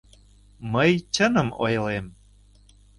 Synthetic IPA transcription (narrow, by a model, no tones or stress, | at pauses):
məjt͡ɕənə̆mo̰jlem